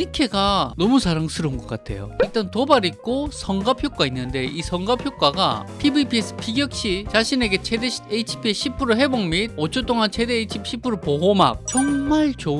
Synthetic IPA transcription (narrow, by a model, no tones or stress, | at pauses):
ikʰe̞ɡanʌmusʰaɾaŋsʰɯɾounɡʌk͈atʰe̞̰jo̰iɭt͈antobaɾik͈osʰʌŋɡapʰjok͈ainːɯnde̞ʔisʰʌŋɡapʰjok͈waɡa̰pʰibipʰies͈ɯ̥pʰiɡjʌk̚ɕ͈it͡ɕaɕʰine̞ɡe̞t͡ɕʰedeɕeit͡ɕʰi̥pʰieɕ͈ʰipʰɯɾoɦe̞boŋmid̚ot͡ɕʰot͈oŋant͡ɕʰe̞deit͡ɕʰipɕʰipʰɯɾopoɦoma̰k̚t͡ɕʌŋmaɭt͡ɕo